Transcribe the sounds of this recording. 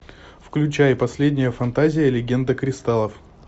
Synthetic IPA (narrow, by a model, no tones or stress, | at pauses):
fklʲʉt͡ɕæjpɐsʲlʲedʲnʲɪjəfɐnt̪azʲɪjəlʲɪɡʲe̞nd̪əkɾʲɪst̪alˠəf